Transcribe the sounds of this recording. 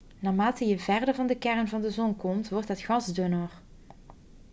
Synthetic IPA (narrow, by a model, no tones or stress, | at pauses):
naːmaːtəjəvɛrdəɹvɑndəkɛrənvɑndəzɔnkɔmtʋɔɹtɦətχɑzdønər